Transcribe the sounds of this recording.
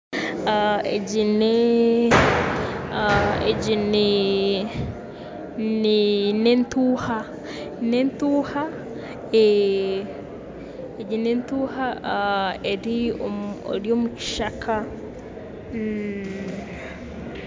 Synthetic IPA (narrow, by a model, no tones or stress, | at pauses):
aḛɟine | ḛɟine | ninentuːha | nentuːha | e | eɟinentuːha | eɾioo̰ɾjoːmuci̥ʃakʰa | m̩